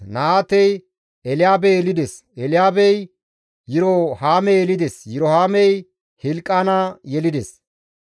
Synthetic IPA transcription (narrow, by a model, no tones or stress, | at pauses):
naaːt̪ɛj | ɛlɪjaːbɛjɛlɪd̪es | ɛlɪjaːbɛj | jɪɾɔhaːmɛjɛlɪd̪ɛsjɪɾohaːmɛj | hɪlkʼːaːnajɛlɪd̪es